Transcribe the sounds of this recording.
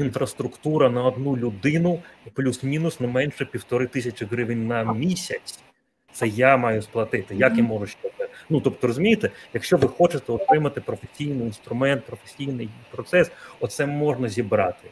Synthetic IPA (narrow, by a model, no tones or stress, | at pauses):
infɾɐst̪ɾʊkt̪uɾɐnɐɔd̪nulʲʊd̪ɪnʊplʲusmʲinʊsnɛmɛnʃɛpʲiwt̪ɔɾɪt̪ɪsʲɐt͡ʃɪɦɾɪʋɪnʲnɐmʲisʲɐt͡sʲ | t̪sɛjamɑjʊsplˠɐt̪ɪt̪ɪjakimɔʐʊʃt͡ʃɔt̪ɛnut̪ɔp̚t̪ɔɾɔzʊmʲijt̪ɛjɐkʃt͡ʃɔʋɪxɔt͡ʃɪt̪ɛɔt̪ɾɪmɐt̪ɪpɾɔfesʲijnɪjinst̪ɾʊmɛnt̪̚pɾɔfesʲijnɪjpɾɔt̪sɛsɔt̪sɛmɔʒnɐzʲibɾɑt̪ɪ